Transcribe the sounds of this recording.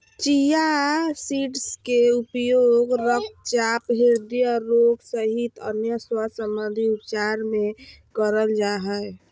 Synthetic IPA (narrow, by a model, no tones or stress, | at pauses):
t͡ʃijasiʈskeupjoɡɾəkʰt͡ʃapɦeɾd̪ijəɾoɡsəɦit̪ə̰njəswasəmbənd̪ʱiupt͡ʃaɾmẽ | kəɾəld͡ʒaɦə